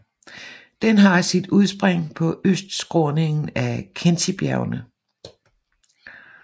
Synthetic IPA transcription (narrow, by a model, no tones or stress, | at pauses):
d̥enɦɑ̈sid̥uð̞ˠsb̥ʁaŋ̰pʰɒ̽ʔøsd̥sɡ̥ʁɔːne̝ŋn̩ækʰent͡sʰib̥jæʊnə